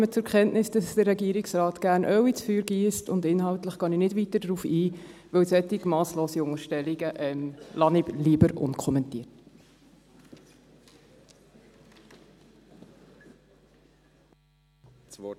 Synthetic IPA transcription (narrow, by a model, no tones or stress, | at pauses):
mət͡sʊɾkχɛntnɪsd̥ɑsd̥əɾɛɡiəɾɪksɾɑːtɡ̥æːɾnʔœwit͡sfyːɾɡiːstʊndɪnhɑwtləχɡ̥ɑninɪdʋitədɾuːfiːʋəwsɛt̪ɪɡmɑːsloːsiʊŋəɾʃtɛliɡəʔɛmlɑnɪliːəbəɾʔʊ̰nkʰɔmɛntḭːəɾt